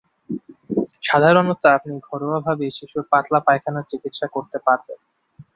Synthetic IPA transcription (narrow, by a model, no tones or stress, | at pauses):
ʃad̪ʱaɾonot̪ːaapniɡʱɔɾoabʱabeʃiʃuɾpat̪lapajkʰanaɾt͡ɕikit̪ʃakoɾt̪epaɾben